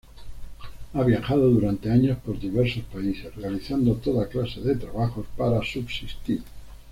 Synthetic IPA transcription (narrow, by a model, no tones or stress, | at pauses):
aβjaxað̞oðuɾant̪eaɲospo̞ɾðiβeɾso̞spaise̞srealiθand̪ot̪o̞ðaklaseðet̪ɾaβ̞axo̞spaɾasubsist̪iɾ